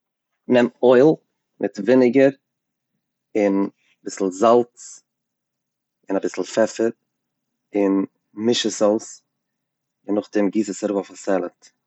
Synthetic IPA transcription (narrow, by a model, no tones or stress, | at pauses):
nɛmɔɪlˠ | mʔɪtvɪnɪɡəɾ | ɪn | abɪsl̩ˠzalˠt͡s | ɪnabɪsl̩ˠfɛfəɾ | ɪn | mɪʃəsɔlˠs | ɪnːʊχdɪmɡiːs̬əsaɾuvɔfasɛlˠə̰t